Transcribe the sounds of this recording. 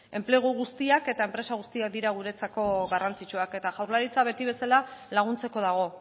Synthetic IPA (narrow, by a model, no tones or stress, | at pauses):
e̞mple̞ɣ̞oɣust̪iake̞t̪ae̞mpɾe̞saɣust̪iak̚d̪iɾaɣ̞uɾe̞t͡sako̞ɣarant͡sit͡ʃuake̞t̪aʝawɾlaɾit͡saβ̞e̞t̪iβe̞salalaɣ̞unt͡se̞ko̞ð̞aɣ̞o̞